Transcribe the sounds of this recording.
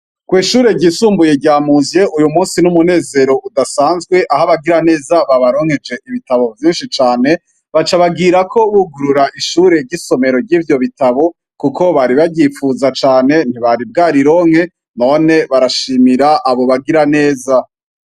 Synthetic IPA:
kwiːʃuːɾe̞ɟiːsuːmbuje̞ɟaːmuzjeʔujumuːnsinumune̞ːze̞ɾo̞ʔudasaːnzɡwe̞ʔaɦaβaɡiɾane̞ːzaβaβaɾo̞ːŋhe̞d͡ʒe̞ʔiβitaβo̞vjiːnʃit͡ʃaːne̞ | βat͡ʃaβaɡiɾakʰo̞βuɡuɾuɾaʔiʃuːɾe̞ɾɟiso̞me̞ɾo̞ɾɟiːvjo̞βitaβo̞ | kuko̞βaɾiβaɟifuzat͡ʃaːne̞n̥iβaɾib̚ɡaːɾiɾo̞ːŋ̥he̞ | no̞ne̞βaɾaʃiːmiɾaʔaβo̞βaɡiɾane̞ːza

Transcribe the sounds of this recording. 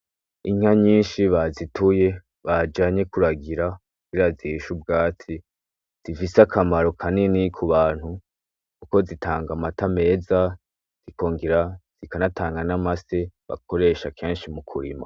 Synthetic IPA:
iŋ̥haɲiːnʃiβazitʰuje̞ | βad͡ʒaɲe̞kuɾaɡiɾa | u̥iɾaziʃubɡaːt͡si | z̥ifisakʰamaɾo̞kʰaninikʰuβaːn̥hu | kuko̞zitʰaːŋɡamatame̞ːza | z̥ikʰo̞ːŋɡiɾaz̥ikanataːŋɡanamase̞βa̰ko̞ɾe̞ːʃakʰe̞ːnʃimukʰuɾḭma̰

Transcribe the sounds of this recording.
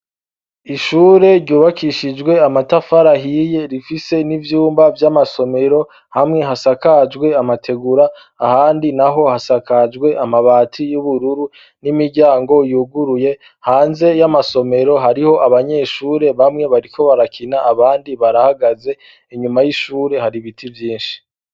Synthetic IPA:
iʃuːɾe̞ɾɟuːβakʰiʃid͡ʒɡwe̞amatafaɾaɦije̞ɾifise̞nivjuːmbavjamaso̞me̞ɾo̞ | hamŋe̞ɦasakad͡ʒɡwe̞amatʰe̞ɡuɾaː | haːndinaɦo̞hasakad͡ʒɡwe̞ʔamaβaːtʰijuβuɾuɾu | nimiɾɟaːŋɡo̞juːɡuɾuje̞ | haːnze̞jamaso̞me̞ɾo̞ɦaɾiho̞ʔaβaɲe̞ʃuːɾe̞βamŋe̞βaɾikʰo̞βaɾakʰinaːβaːndiβaɾahaɡaze̞ | iɲumajiʃuːɾe̞haɾiβitʰivjiːnʃi̥

